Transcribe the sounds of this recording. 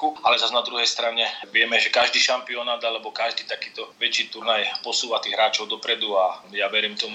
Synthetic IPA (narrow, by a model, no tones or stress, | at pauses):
kualɛzaznad̪ɾuɦɛjst̪ɾaɲɛʋɪɛmɛʒɛkaʒd̪iːʃampiɔnaːd̪alɛbɔkaʒd̪iːt̪akiːt̪ɔʋɛt͡ʃiːt̪uɾnajpɔsuːʋat̪iːɣɦɾaːt͡ʃɔʊd̪ɔpɾɛd̪uajaʋɛɾiːmt̪ɔm